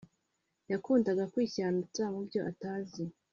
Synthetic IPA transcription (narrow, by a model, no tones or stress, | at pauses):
jakuːndaɡakwiːçaːnut͡samubjo̞ʔataːzi